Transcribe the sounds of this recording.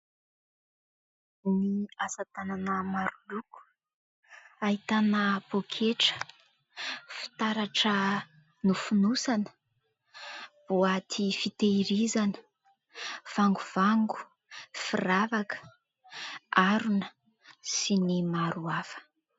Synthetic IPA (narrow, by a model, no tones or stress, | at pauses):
niasat̪ananəmaɾuluku̥ | aɦit̪anəpokʰeʈ͡ʂə̥ | fi̥t̪aɾaʈ͡ʂə | nufunusanə̥ | b̥uat̪ʰifit̪eiɾizanə̥ | v̥aŋɡuv̥aŋɡu̥ | firavakə̥ | aɾunə | sinimaɾuafə̥